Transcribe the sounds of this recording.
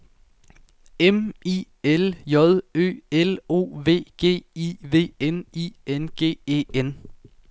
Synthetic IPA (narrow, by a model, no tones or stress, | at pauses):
emḭ | eljɒ̽ðˠø̰ːelo̝̰ːʋe̝̰ːɡ̥e̝̰ːiʋe̝̰ːeniːenɡ̥e̝̰ːe̝̰ːen